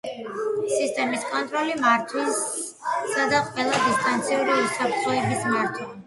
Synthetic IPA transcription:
sist̪ʼɛmiskʼɔnt̪ʼɾɔlimaɾt̪ʰwin | sad̪aqʼwɛlˠad̪ist̪ʼant̪sʰiuɾiusapɾt̪ʰlɔɛbismaɾt̪ʰwa

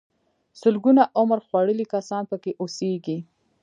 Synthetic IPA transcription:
sʊlɡunaʔʊmɾxwaɽəlikasɑnpəkeʔoseɡi

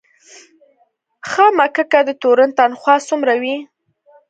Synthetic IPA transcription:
xamakəkad̪ət̪oɾant̪anxwɑsumɾawi

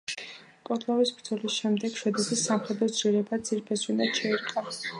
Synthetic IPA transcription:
kʼɔt̪ʰʼlˠɔvisbɾd̪zɔlisʃɛmd̪ɛɡ̥ʃwɛd̪ɛsisːamχɛd̪ɾɔsʰɾiɛɾɛbad̪z̥iɾpʰɛsinad̪ʃʰɛiɾqʼas

